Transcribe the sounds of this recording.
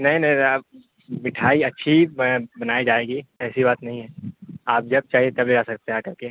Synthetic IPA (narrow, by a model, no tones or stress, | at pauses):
nɐɦĩnɐɦĩa | mɪʈʰaːiɐtːʃʰibɐnaːid͡ʒaːeːɡiɛːsibaːt̪nɐɦĩɦɛːaːp̚d͡ʒɐb̚t͡ʃaːɦiet̪ɐbled͡ʒasɐk̚t̪eɦaːkɐɾke